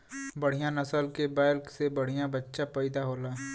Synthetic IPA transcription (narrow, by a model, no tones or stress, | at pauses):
bɐɽ̤ijãnɐsəlkebaːɪlksebɐɽ̤ijãbətːʃapɐɪd̪aɦoːlaː